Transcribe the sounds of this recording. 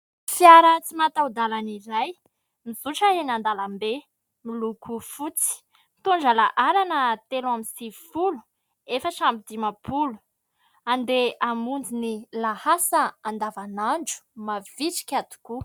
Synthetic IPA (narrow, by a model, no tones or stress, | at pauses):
fjaɾət͡simat̪awd̪alaniɾaj | miz̥uʈ͡ʂəenand̪alambe | milukufut͡si̥ | mit̪uɳd͡ʒalaʔaɾanət̪elaminsifulu̥ | efəʈ͡ʂambid̪imapʰulu̥ | and̪eamund͡zinilahasəand̪avanaɳd͡ʒu̥mav̥iʈ͡ʂi̥kʲat̪u̥ku